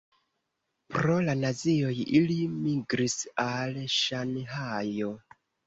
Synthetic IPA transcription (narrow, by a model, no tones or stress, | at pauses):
pɾo̞lanazio̞jilimiɡɾisalʃanɦajo